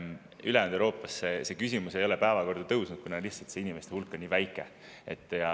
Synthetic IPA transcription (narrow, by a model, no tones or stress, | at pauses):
ylend̪eɾo̞ːpːˑɑsːese̞kysʲimuse̞jo̞le̞pæevɑko̞rd̪̥ut̪ɤwsnud̪̥̚kunɑliht̪sɑlt̪seinime̞st̪e̞ulkːˑonʲiːvæjkːˑe̞ | et̪ːˑjɑ